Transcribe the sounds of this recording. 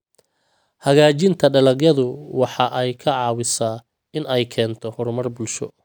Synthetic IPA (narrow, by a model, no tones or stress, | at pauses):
hɐɣaːt͡ʃɪnt̪ʰɐɖɐlɐɡjɐðʊwɑħɑʔɛjkʰɐʕɑːwɪsaː | ɪnɛjkʰɛːnt̪ʰɔhɔrmɐrbʊlʃɔ̰